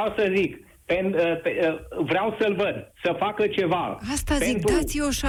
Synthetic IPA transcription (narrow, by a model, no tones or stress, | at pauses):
awsəzik | penəpevɾeawsəlvəd̪səfakət͡ʃe̞vaast̪azeint̪ɾat̪sʲjoʃa